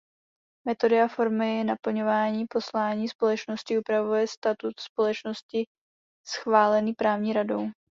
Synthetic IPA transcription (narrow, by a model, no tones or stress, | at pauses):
mɛt̪o̞dɪafo̞ɾmɪjɛnapl̩ɲo̞vaːɲiːpo̞slaːɲiːspo̞lɛt͡ʃnoscɪupɾavujɛst̪at̪ut̪spo̞lɛt͡ʃno̞scɪ | sxvaːlɛniːpɾaːvɲiːɾado̞̰w